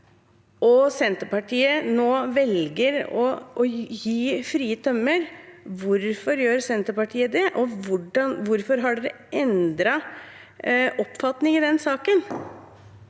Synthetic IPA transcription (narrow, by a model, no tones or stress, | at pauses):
ʔɔsɛnt̪əpɑʈʰiːənoːʋɛlɡəɾɔ | jiːfɾiːət̪ʰœmːəɾʋʊɾfɔɾjøːɾsɛnt̪əɾpɑʈʰiːəd̪ɛʔɔʋʊɖɑnʋʊɾfɔɾɦɑɖɛd̪ɛ | ʔɛnd̪ɾɑ | ʔɔpfɑt̪nɪŋɪd̪ɛnsɑːkən